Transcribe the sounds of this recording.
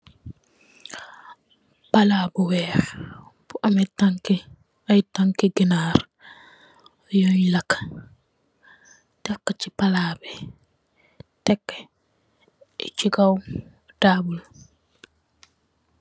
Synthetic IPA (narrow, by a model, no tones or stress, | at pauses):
palaːbuwɛː | buʔamɛtaŋki | ajtaŋkiɡinaɾ | joɲlakːḁ | takːat͡ʃipalaːbɛ | tɛkːɛ̥ | ɛ̰t͡ʃiɡaw | daːbul